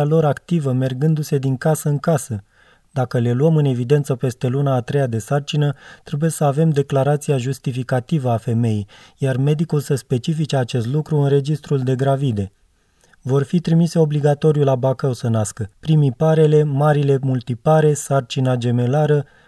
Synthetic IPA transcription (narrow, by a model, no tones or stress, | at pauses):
alo̞ɾakt̪ivəme̞rɡɨnd̪use̞d̪iŋkasəɨŋkasə | d̪akəle̞luəmɨne̞vid̪e̞nt̪səpe̞st̪e̞lunaːt̪ɾe̞jad̪e̞sart͡ʃinət̪ɾe̞buje̞səave̞md̪e̞klaɾat̪sijaʒust̪ifikat̪ivəafe̞me̞jijjarme̞d̪ikulsəspe̞t͡ʃifit͡ʃeat͡ʃe̞st̪lukɾuɨnre̞d͡ʒist̪ɾuld̪e̞ɡɾavid̪e̞ | vo̞rfit̪ɾimise̞o̞bliɡat̪o̞ɾiulabakəwsənaskəpɾimipaɾe̞le̞maɾile̞mult̪ipaɾe̞sart͡ʃinad͡ʒe̞me̞laɾə